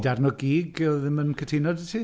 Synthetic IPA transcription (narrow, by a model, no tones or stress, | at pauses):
darnɔɡiːɡɔðɪmənkʰətʰɪnɔdətʰi